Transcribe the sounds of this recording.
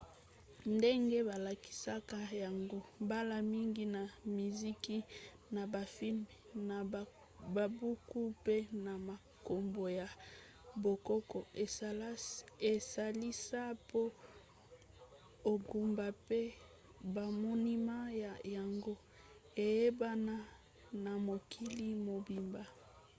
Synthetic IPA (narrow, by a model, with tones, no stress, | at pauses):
nde˦ŋɡe˦ba˨la˨ki̥˨sa˦ka˦ja˨ŋɡo˦ba˦la˦mi˦ŋɡi˦na˨mi˨zi˦ki˦ | na˨ba˨fi˦lm˨na˨ | ba˨bu˦ku˦pe˦na˨ma˨ | ko˨mbo˨ja˨ | bo˨kɔ˦kɔ˨e˨le˨sa˨li˦sa˦po˦ | o˨ɡu˨mba˨pe˦ | ba˨mɔ˦ni˦ma˦ja˨ja˨ŋɡo˦ | e˨je˦ba˦na˦ | na˨mo˨kʰi˦li˦mo˨bi˨mba˨